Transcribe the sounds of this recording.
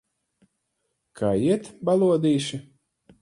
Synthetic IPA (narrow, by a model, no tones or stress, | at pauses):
kʰaːiɛt̪balˠuɔd̪iːʃi